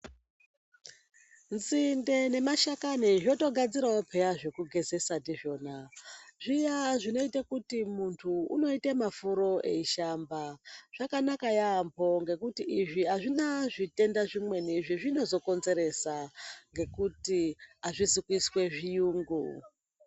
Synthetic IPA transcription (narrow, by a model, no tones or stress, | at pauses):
nzinde̞ne̞maʃakaniʐo̞to̞ɡʱad͡ziɾaopʰejaʐe̞kuɡʱe̞ze̞sandiʐo̞ːnaʐijaʐino̞itakutimuntʰuṵno̞itemafuɾo̞e̞̰iʃambaʐ̥akanakajambo̞ŋɡe̞kutiʔiʐiaʐinaʐite̞ndaʐimwe̞niʐiʐino̞zo̞ko̞nze̞ɾe̞saŋɡe̞kutiaʐisikwiswe̞ʐijuːŋɡu